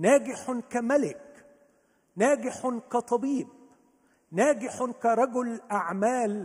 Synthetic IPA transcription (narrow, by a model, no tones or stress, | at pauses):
næːɡɪħkæmalɪk | næːɡɪħkæt̪ˤɑbiːb̚ | næːɡɪħkaɾˤɑɡʊlʔaʕmaːl